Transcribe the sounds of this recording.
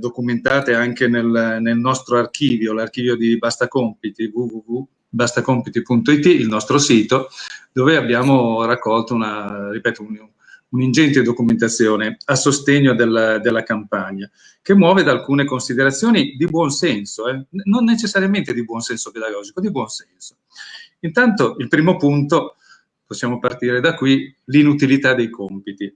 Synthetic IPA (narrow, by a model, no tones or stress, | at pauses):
d̪okument̪aːt̪eaŋkenelnelnɔst̪ɾoark̟iːvjolark̟iːvjod̪ibast̪akompit̪ivuvuvu | bast̪akompit̪ipunt̪oit̪iːlnɔst̪ɾosiːt̪od̪̥oːveabjaːmorakːɔlt̪ounaripɛːt̪oun | unind͡ʒɛnt̪ed̪okument̪at̪sːjoːneasost̪eɲːod̪elːad̪elːakampaɲːa | kemːwɔːved̪aːlkuːnekonsid̪eɾat̪sːjoːnid̪ibwɔnsɛnsoɛnonːet͡ʃesːaɾjament̪ed̪ibwɔnsɛnsoped̪aɡɔːd͡ʒikod̪ibwɔnsɛnso̥ | int̪ant̪oʔilpɾiːmopunt̪o | posːjaːmopart̪iːɾed̪akːwi | linut̪ilit̪ad̪ːejkompit̪i